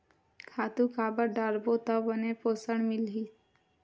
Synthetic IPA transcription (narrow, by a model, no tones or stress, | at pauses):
kʰaːt̪ũkaːbəɾɖaːɾbot̪ɔbənepoːsəɳ̃mɪlɦiː